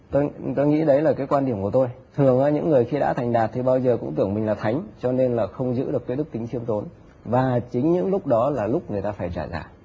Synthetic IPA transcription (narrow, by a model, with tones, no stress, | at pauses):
t̪o˧jt̪o˧jŋḭ˧˥ɗə˨˦jlaː˨˩kaː˨˦jkwaː˧nɗi˧˩əmku˧˩ət̪o˧j | t̪ʰɨ˨˩əŋaː˨˦ɲɨ̰˧˥ŋːɨ˨˩əjxi˧ɗa̰ː˧˥t̪ʰa˨˩jŋ̟ɗaː˨˩t̚t̪ʰi˨˩ɓaː˧wzəː˨˩kʊ̰˧˥ŋ͡mt̪ɨ˧˩əŋmï˨˩ŋ̟laː˨˩t̪ʰa˨˦jŋ̟t͡ɕɔ˧ne˧nlaː˨˩xə˧wŋ͡mzɨ̰˧˥ɗɨ˨˩əkːɗk̚t̪i˨˦ŋʰi˧əmt̪o˨˦n | vaː˨˩t͡ɕï˨˦ŋ̟ɲɨ̰˧˥ŋlʊ˦˥k͡p̚ɗɔ˨˦laː˨˩lʊ˦˥k͡p̚ŋɨ˨˩əjt̪aː˧faː˧˩jt͡ɕaː˧˩za̰ː˧˩